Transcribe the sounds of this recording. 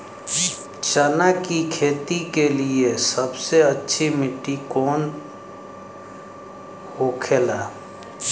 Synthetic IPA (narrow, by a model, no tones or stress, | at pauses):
t͡ʃənakikʰeːt̪ikeliesɐbseɐtːʃʰimɪʈːikɔːn | hoːkʰelaː